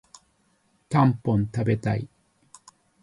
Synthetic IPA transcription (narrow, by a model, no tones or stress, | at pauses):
tampont̪abet̪ai